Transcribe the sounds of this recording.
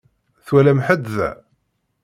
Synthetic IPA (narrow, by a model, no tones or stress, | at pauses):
θwælæmħəd̪ðæ̰